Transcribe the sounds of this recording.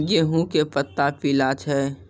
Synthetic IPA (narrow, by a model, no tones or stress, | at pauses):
ɡeɦũkepət̪ːapilaːt͡ʃʰɦɛː